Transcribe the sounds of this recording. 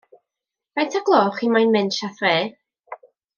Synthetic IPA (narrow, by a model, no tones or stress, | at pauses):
vajtʰaɡlˠɔːχimajnmɪnʃaθreː